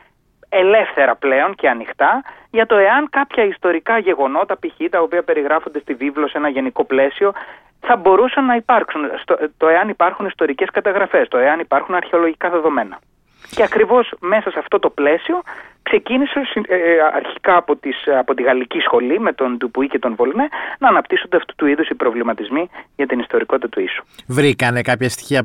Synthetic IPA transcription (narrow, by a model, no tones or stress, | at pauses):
e̞le̞fθe̞ɾɐple̞o̞nce̞ɐnixt̪ɐ | ʝɐt̪o̞e̞ɐŋkɐpçɐist̪o̞ɾikɐʝe̞ɣo̞no̞t̪ɐpiçit̪ɐopiɐpe̞ɾiɣɾɐfo̞nd̪est̪ivivlo̞se̞nɐʝe̞niko̞ple̞sio̞ | θɐbo̞ɾusɐnːɐipɐɾksunst̪ot̪o̞e̞ɐnipɐɾxunist̪o̞ɾice̞skɐt̪ɐɣɾɐfe̞st̪o̞e̞ɐnipɐɾxunɐɾçeo̞lo̞ʝikɐðe̞ðo̞me̞nɐ | ceɐkɾivo̞sme̞sɐsɐft̪o̞t̪o̞ple̞sio̞kse̞cinisesiɐ̰ɾçi̥kɐːpot̪isɐpo̞t̪iɣɐlicisxo̞lime̞t̪o̞nd̪upuice̞t̪o̞nvo̞lnenɐːnɐpt̪isond̪eɐft̪u̥t̪uiðusipɾo̞vlimɐt̪izmiʝɐt̪inist̪o̞ɾiko̞t̪it̪ɐt̪uisu̥vɾikɐnekɐpçɐst̪i̥çiɐ